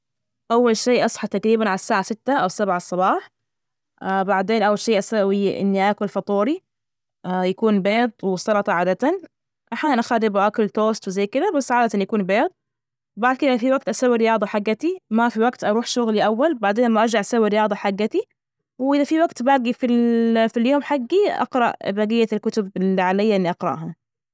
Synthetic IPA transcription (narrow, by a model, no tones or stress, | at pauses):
ʔawːalʃeːʔɑsˤħɑt̪akɾiːbanʕalasːaːʕasɪt̪ːaʔawsabʕasˤːɑbɑːħ | ʔbaʕd̪eːnʔawːalʃeːʔasawiʔɪ̰nːiʔaːkʊlfɑt̪ˤuːɾi | jakuːnbeːd̪̚ˤwɪsɑlɑt̪ˤɑʕaːd̪at̪an | ʔaħjaːnnʔaxaːd̪ɪbʊʔakʊlt̪oːst̪wɪzajkɪd̪abasːʕaːd̪at̪anjakuːnbeːd̪̚ˤ | baʕd̪ˤkɪafiwaɡ̚t̪ʔasaːwːiɾɪjɑːðˤɑħaɡːat̪imafiwaɡt̪ʔɑɾˤuːħʃʊɣliʔawːalbaʕd̪eːnlamːaʔɑɾˤd͡ʒaʕʔasawːiɾɪjɑːd̪ˤɑħaɡːat̪i | wʔɪðafiwaɡt̪baːɡifilfiljoːmħaɡːiʔɑ̰qɾɑ̰ʔbaːɡɪjːalkʊt̪ʊbɪliʕalɪjːaʔɪnːiʔɑqɾɑ̰ʔɦa